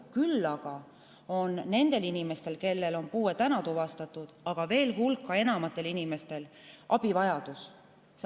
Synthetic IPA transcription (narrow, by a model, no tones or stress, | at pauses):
kylːɑɡ̥ɑ | o̞nːe̞nd̪̥e̞linime̞st̪e̞lke̞lːe̞lo̞npuːet̪ænɑt̪uvɑst̪ɑt̪ːˑud̪̥ɑɡ̥ɑve̞ːlɦulkːˑɑe̞nɑmɑt̪ːˑe̞linime̞st̪e̞lʔɑb̥ivɑjɑd̪us | s